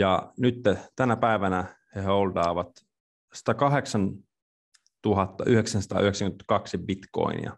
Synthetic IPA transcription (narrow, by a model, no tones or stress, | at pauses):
jɑnyt̪ːet̪ænæpæiʋænæheeold̪ɑːʋɑt̪ | sɑ̥t̪ɑkɑɦeksɑn | t̪uɦɑt̪ːɑʔyheksænsɑ̥t̪ɑ̰ːyheksæŋkymet̪æ̥kɑksibit̪ko̰ḭnḭɑ̰